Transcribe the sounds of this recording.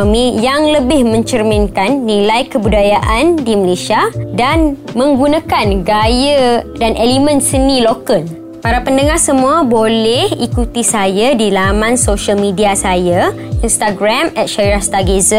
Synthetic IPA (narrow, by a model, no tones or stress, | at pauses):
mĩjaŋləbɪhmə̃ɲt͡ʃərmɪ̃nkanːilajkəbudajaʔandiməlesiadanmə̃ŋɡunakanɡajədanelimə̃nsənilokəl | paɾapəndəŋahsəmũabolɛhikut̪isajadilamãnsoʃəlmidiasaja | inst̪aɡɾamɛt̪̚ʃaiɾast̪aɡezə